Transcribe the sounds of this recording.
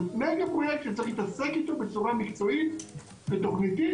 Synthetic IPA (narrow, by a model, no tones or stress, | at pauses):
meɡapʁojekt̪ʃet͡siχlit̪asekit̪o̞be̞t͡suʁamikt͡so̞it̪ | vet̪o̞χnit̪i